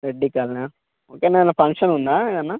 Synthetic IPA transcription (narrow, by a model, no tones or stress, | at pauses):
ɾeɖːikaːlna | oːkenanːɐpʰɐŋkʂɐnund̪aːiðɐnːa